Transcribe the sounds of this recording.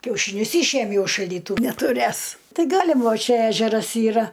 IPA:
kʲɛʊʃʲiːˈnʲʊs ˈiːʃʲeːmʲɛʊ ɪʃ ʃɐlʲdʲiːˈtʊ nʲɛtʊˈrʲeːs ˈtɐɪ ˈɡɑːlʲɪm ˈʋɐ ˈt͡ʃʲɛ ˈæːʒʲɛrɐs ˈiːrɐ

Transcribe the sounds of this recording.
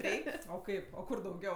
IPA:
ˈrʲɛɪkʲ oː ˈkɐɪp oː ˈkʊr dɐʊˈɡʲɛʊ

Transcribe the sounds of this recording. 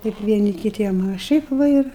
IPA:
ˈtʲɛɪp ʋʲiɛˈnʲɪ kʲɪˈtʲiɛm ɐ ˈʃʲɛɪp ʋɐ ˈɪr

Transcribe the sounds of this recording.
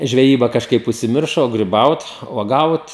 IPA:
ʒʲʋʲɛˈjiːbɐ kɐʃˈkɐɪp ʊʃʲsʲɪˈmʲɪrʃoː oː ɡrʲɪˈbɐʊt uɔˈɡɐʊt

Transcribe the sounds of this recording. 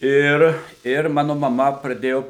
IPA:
ˈɪr ɪr ˈmɑːnʊ mɐˈmɐ prɐˈdʲeːjoː

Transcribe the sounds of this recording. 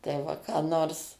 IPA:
tɐɪ ˈʋɐ kɑː ˈnoːrs

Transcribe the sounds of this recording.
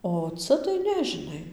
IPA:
oː ˈt͡sɐ tɐɪ ˈnʲɛ ʒʲɪˈnɐɪ

